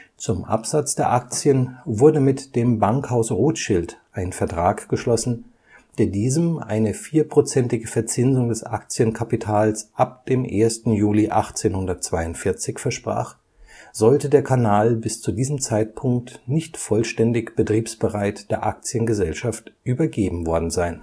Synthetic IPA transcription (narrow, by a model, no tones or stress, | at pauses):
t͡sʊmʔa̰pz̥at͡sd̥eːɐʔak̚t͡sjənvʊɐdəmɪtd̥eːmbaŋkhaʊsʁoːtʃɪltʔaɪnənfɛɐtʁ̥aːkɡ̥əʃlɔsn̩ | d̥eːɐdiːzəmʔa̰ɪnəfiːɐpʁ̥ot͡sɛntɪɡəfɛɐt͡sɪnzʊŋdɛsʔa̰k̚t͡sjənkʰapitʰaːlsʔapd̥eːmʔḛːɐstn̩juːliʔaχt͡seːnhʊndɐt̚t͡sv̥aɪʊntfɪɐt͡sɪçfɛɐʃpʁ̥a̰ːχ | z̥ɔltədeːɐkʰanaːlbɪst͡sudiːzəm̩t͡saɪt̚pʰʊŋk̚tnɪçtfɔlʃtɛndɪçb̥ətʁ̥iːpsb̥əʁaɪtd̥eːɐʔak̚t͡sjənɡəzɛlʃaftʔyːbɐɡeːbm̩vɔɐdn̩zaɪn